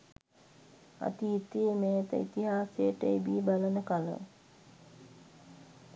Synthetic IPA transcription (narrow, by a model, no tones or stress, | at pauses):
a̰t̪iːt̪iːmeːt̪ə̰it̪iɦaːsejəʈəibiːbalənəkalə̰